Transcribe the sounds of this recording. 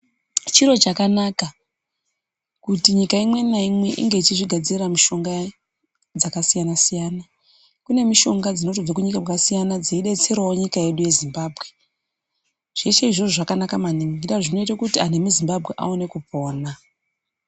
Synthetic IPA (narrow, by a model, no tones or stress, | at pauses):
t͡ʃiɾo̞t͡ʃakanaka | kutiɲikaimwe̞naimwe̞ʔḭŋɡe̞it͡ʃiʐiɡʱad͡ziriramiʃo̞ŋɡa | d͡zakasijanasijana | kune̞miʃo̞ŋɡad͡zino̞tob͡vakuɲikaakasijanad͡zeiɗe̞t͡se̞rwawoɲikaje̞ɗuje̞zimbaːbʱɣe̞ | ʐ̥e̞t͡ʃe̞iʐo̞ʐoʐakanakamaniŋɡiɾaʐino̞itakutiane̞muzimbabʱɣe̞ʔa̰one̞kupʰoːna